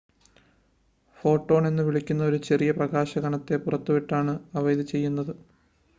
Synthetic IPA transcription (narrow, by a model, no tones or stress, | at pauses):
fo̞ːʈːo̞ːɳe̞nːɨʋiɭikʲːunːɐo̞ɾut͡ɕe̞rijɐprɐɣaːɕɐɣɐɳɐt̪ːe̞purɐt̪ːuʋiʈːaːɳɨɐʋɐjðit͡ɕe̞jːunːɐðɨ